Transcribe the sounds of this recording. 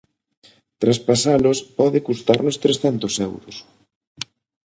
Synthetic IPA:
t̪ɾaspasalʊspɔðɪkust̪aɾnʊst̪ɾesθɛnt̪ʊsɛwɾʊ̰s

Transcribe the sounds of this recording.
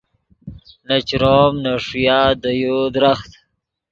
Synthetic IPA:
nat͡ʃɾomnaʂjaːd̪əjod̪ɾaxt̪

